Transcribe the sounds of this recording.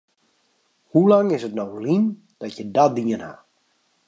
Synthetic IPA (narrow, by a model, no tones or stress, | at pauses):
hulaŋɪsətnowlin | d̥ɔtjədɔtdiənha̰